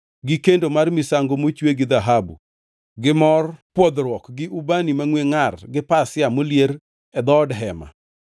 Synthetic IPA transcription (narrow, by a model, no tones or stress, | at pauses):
ɡɪkendomarmisaŋɡomot͡ʃweɡɪd̪aɦabṵ | ɡɪmɔrpwɔd̪ɾwɔkɡɪʔubanimaŋweŋarɡɪpasɪamoljeɾ | ɛd̪ɔdɦɛma̰